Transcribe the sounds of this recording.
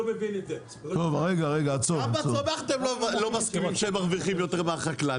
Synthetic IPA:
mevinee | t̪ovʁeɡaʁeɡaːt͡soaomeaχat̪emlolomaskiimʃeemːaʁviχimjo̞t̪eʁmeaχakla

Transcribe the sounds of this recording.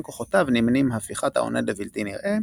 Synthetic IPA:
koχot̪avnimnimhafliχat̪a̰o̰nʔedavilt̪iniʁʔe

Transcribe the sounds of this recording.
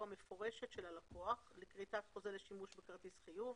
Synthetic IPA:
ame̞fo̞ʁeʃe̞t̪ʃelalakoaχlikʁitatχozeleʃimuʃbekaʁt̪isχijuv

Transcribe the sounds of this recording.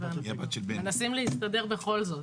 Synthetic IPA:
eabat̪ʃelbemenasimlehist̪ad̪e̞ʁbeχo̞lzo̞t

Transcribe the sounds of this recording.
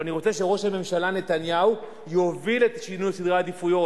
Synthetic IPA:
aniʁo̞t͡seʃeʁo̞ʃhame̞mʃalane̞t̪anjau | jo̞vilet̪ʃinujsid̪ʁad̪ifujo̞

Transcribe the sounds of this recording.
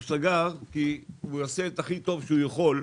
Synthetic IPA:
saɡaʁkiujaset̪aχit̪o̞vʃeujaχo̞l

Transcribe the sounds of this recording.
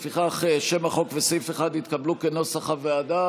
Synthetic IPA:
fiχaχeʃe̞maχo̞kvesifeχad̪it̪kablukeno̞saχavead̪a

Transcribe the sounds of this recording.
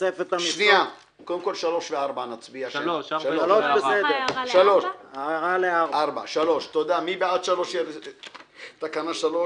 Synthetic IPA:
efet̪amʃnia | kod̪emko̞lʃalo̞ʃveaʁbanat͡sbiaʃʃaaloʃbesed̪eʃaloʃaʁaleaʁaʁbaʃalo̞ʃt̪od̪amibead̪ʃalo̞ʃje | t̪akanaʃalo

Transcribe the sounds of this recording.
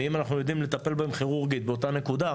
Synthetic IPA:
imanaχnujo̞d̪imle̞t̪ape̞lbaemχiʁuʁɡit̪beo̞t̪ane̞kud̪a

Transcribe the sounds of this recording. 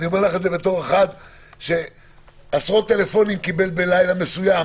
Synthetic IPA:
nio̞meʁlaχe̞tze̞bet̪o̞ʁe̞χad̪ | ʃe̞ | asʁo̞t̪ːe̞le̞fo̞nimkibe̞lbelajlame̞suja

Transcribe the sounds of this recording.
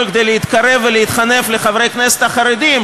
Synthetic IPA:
kd̪ejleit̪kaɾe̞vːeleit̪χane̞fleχavɾejknese̥t̪haχaɾed̪im

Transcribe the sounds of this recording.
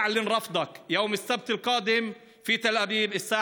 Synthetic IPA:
ʕlɪnɾˤɑfd̪ˤɑkjawmɪsːab̚t̪ɪlqɑːd̪ɪm | fiːt̪alʔæbiːbɪsːaː

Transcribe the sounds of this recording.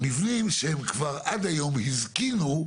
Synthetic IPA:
mivnimʃehemkvaʁad̪ajo̞mhizkinu

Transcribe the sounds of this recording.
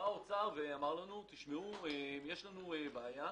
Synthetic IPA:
aot͡saveamaʁlanut̪iʃmeuemjeʃlanuebeaja

